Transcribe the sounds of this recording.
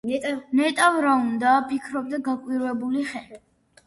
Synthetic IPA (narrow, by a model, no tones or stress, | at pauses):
nɛt̪ʼavɾaund̪apʰikʰɾɔb̚d̪aɡakʼwiɾvɛbuliχɛl